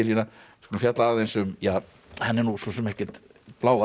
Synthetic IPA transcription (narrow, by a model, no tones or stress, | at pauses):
ɪɾinaskɔlɪfjat̪laaθejnsʏmjaː | hanːɛɾnusɔsɛmɛhcɛ̥t̪ | plaːwða